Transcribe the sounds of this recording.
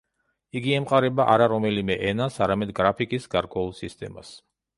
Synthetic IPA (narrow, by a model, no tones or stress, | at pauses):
iɡiɛmqʼaɾɛbaʔaɾaɾɔmɛlimɛʔɛnasaɾamɛd̪ɡɾapʰikʼisɡaɾkʼwɛulˠsist̪ʼɛ̰ma̰s